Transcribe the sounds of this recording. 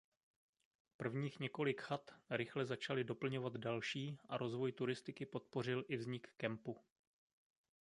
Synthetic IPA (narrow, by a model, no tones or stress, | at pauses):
pr̩vɲiːxɲɛko̞lɪkxat̪ɾɪxlɛzat͡ʃalɪdo̞pl̩ɲo̞vad̪dalʃiːʔa̰ɾo̞zvo̞jt̪uɾɪst̪ɪkɪpo̞t̪̚po̞r̝ɪlʔɪvzɲɪkːɛmpu